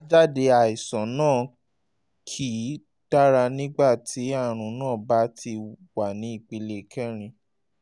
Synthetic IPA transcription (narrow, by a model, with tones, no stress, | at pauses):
d͡ʒa˦˨de˧a˨i˨sɔ̃˨˦nãː˦˨ | kʰi˨˦ | d̥a˦ɾa˧nĩ˦ɡ͡ba˦˨tʰi˨˦a˦˨ɾ̃ũ˨˧nãː˦˨ba˨˦tʰi˧wa˨nĩ˨˦i˦˨k͡pe˧le˦˨kɛ˦˨ɾ̃ĩ˧